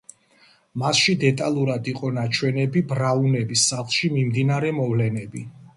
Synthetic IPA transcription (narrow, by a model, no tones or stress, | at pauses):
masʃid̪ɛt̪ʼalˠuɾad̪iqʼɔnat͡ʃʰwɛnɛbibɾaunɛbisːaχlˠʃimimd̪inaɾɛmɔvlɛnɛbi